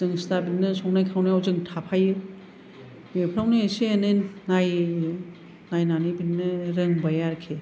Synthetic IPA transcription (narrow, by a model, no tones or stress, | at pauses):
zɯŋstabinːɯsɔŋnajkʰawnɯjawzɯŋtʰapʰajɯ | bepʰɾawnɯeseenenːaj | najnanibinːɯɾɯŋbajaɾkʰe